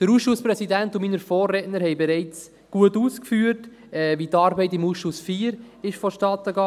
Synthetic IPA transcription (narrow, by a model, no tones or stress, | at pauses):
d̥əɾuːsʃʊspɾɛsidɛntʊmiːnəɾfɔːrːɛtnəɾhɛɪbɛɾɛɪt͡s | ɡ̥uətuːskfyːət | ɛviːtɑːɾbɛɪtɪmuːsʃʊsfiːɾɪʃfɔʃtɑːt̪əɡɑ